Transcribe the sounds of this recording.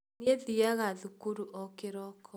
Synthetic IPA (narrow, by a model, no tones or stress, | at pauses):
nieðiaɣaðukuɾuʔɔkeɾɔkʰɔ